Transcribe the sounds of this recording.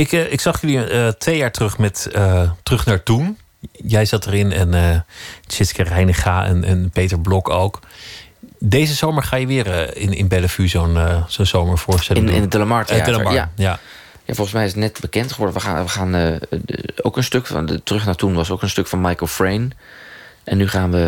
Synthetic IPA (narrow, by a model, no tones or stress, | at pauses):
ɪkɪksɑχjʏliətʋejaːɹtrɵχmɛtətrɵχnaːɹtun | jɛjzɑtərɪnɛnət͡ʃɪskərɛjnəχaɛ̰nɛ̰npejtəɹblɔkowk | dejzəzowməɹχaːjəʋɪːɹɪnɪ̰nbɛləfyzonz̥onz̥owməɹfʊːɹstɛlŋnɪ̰nədɪləmaɹta̰dɪləmaaja | ja̰fɔlˠχənsmɛjɪsətnɛtbəkɛntχəʋɔɹdəʋəa̰ʋəχaːn | owkənstøkftərɵχnaːɹtunʋɑsowkənstɵkfɑnmajkəlˠfɹejn | ʔɛnːyχaːnʋə